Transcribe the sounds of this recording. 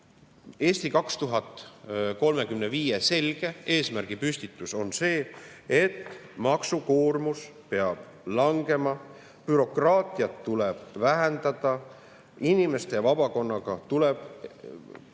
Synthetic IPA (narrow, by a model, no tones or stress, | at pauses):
e̞ːst̪ikɑkst̪uɦɑt̪ˑko̞lme̞kymneviːjese̞lɡ̥e̞e̞ːsmærɡ̥ipysʲt̪it̪ːˑuso̞nse̞ːet̪ːmɑksuko̞ːrmus | pe̞ɑb̥ | lɑŋɡe̞mɑ | pyɾo̞krɑːt̪ˑiɑt̪ːulɛb̥væɦend̪̥ɑd̪̥ɑ | inime̞st̪e̞vɑb̥ɑko̞nːɑɡ̥ɑt̪ulɛb̥